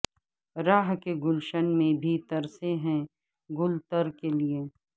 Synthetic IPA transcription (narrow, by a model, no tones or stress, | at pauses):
ɾaːɦkeɡʊlʃənmẽbʱiːt̪ɐɾseɦɛ̃ | ɡʊlt̪əɾkelieː